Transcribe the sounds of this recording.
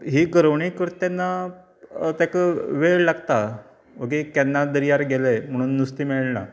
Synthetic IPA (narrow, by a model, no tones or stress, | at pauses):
ɦiɡəɾəʋɳikəɾt̪anːa | t̪jakəʋeɭlaɡt̪a | ʋəɡikɛnːad̪əɾijaɾɡelem̤əɽ̃uːnːust̪iːmɛɭna̰